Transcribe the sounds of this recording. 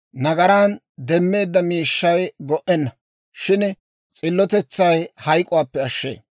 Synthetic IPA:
nɐɡɐɾan | d̪ɛmːe̞ːd̪ːɐmiːʃːɐjɡɔʔɛnːɐ | ʃɪn | t͡sʼɪlːɔt̪ɛt͡sːɐjhɐjkʼʊwaːpːɛɐʃːḛː

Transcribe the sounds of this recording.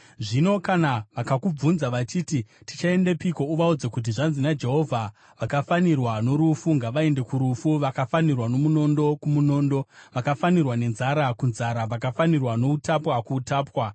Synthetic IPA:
ʐino̞kanaʋakakub͡vunzaʋat͡ʃititi̥t͡ʃae̞nde̞piko̞uʋaud͡zekut̬iʐanzinad͡ʒe̞ɦo̞vʱa | ʋakafanirwano̞ɾufuŋɡaʋae̞nde̞kuɾufuʋakafanirwano̞muno̞ndo̞kumuno̞ːndo̞ʋakafanirwane̞nzaɾakunzaɾaʋakafanirwano̞utapwakuːtaːpwa

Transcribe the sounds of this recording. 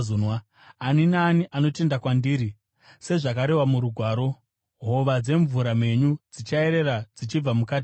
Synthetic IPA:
unwa | aninaːniʔano̞te̞ndakwandiːɾi | se̞ʐakaɾe̞wamuɾuɡʱwaːɾo̞ | ɦo̞ʋad͡ze̞ɱvuɾame̞ɲud͡zit͡ʃae̞ɾe̞ɾad͡zit͡ʃib͡vamukaːt̬i̥

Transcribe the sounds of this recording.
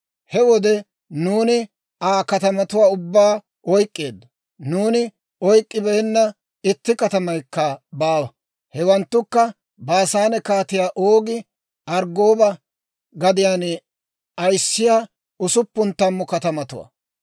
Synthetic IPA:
hɛwɔd̪ɛ | nuːnɪ | aːkɐt̪ɐmɐt̪ʊwaːʊbːaː | ɔjkʼːeːd̪ːʊ̥ | nuːnɪ | ɔjkʼːɪbɛɛnːɐ | ɪt̪ːɪkɐt̪ɐmɐjkːɐbaːwɐ | hɛwɐnt̪ːʊkːɐ | baːsaːnɛkaːt̪ɪjaːʔoːɡɪ | ʔɐɾɡoːbɐ | ɡɐd̪ɪjaːn | ɐjsːɪjaː | ʊsʊpːʊnt̪ːɐmːɔkɐt̪ɐmɐt̪ʊwa̰ː

